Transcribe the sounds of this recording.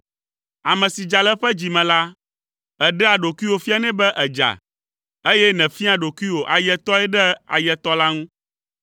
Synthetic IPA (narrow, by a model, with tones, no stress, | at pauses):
a˨mɛ̃˨si˨d͡ʒa˨lɛ˦ɸɛ˦d͡ʑi˨mɛ̃˨la˦ | ɛ˨ɖɛ˦a˨ɖo˨ku˦i˦wo˨fi˦a˦nɛ̃˦bɛ˦ʔɛ˨d͡ʒa̰˨ | e˦jɛ˦nɛ̃˨fi˦a˨ɖo˨kʷi˦wo˨ʔa˨jɛ˦t̪ɔ˦ɛ˦ɖɛ˦a̰˨jɛ˨t̪ɔ˦la˦ŋũ˦